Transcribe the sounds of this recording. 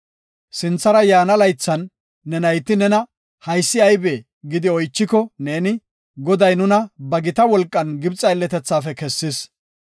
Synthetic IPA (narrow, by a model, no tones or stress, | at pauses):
sɪnt͡sːɐɾɐjaːnɐlɐjt͡sːɐnː | ɛnɐjt̪ːɪnɛnɐ | hɐjsːɪɐjbeː | ɡɪd̪ɪɔjt͡ʃːɪkɔne̞ːnɪ | ɡɔd̪ɐjnʊnɐbɐɡɪt̪ɐwɔlkʼːɐnɡɪbt͡sʼɐjlːɛt̪ɛt͡sːaːfɛkɛsːɪs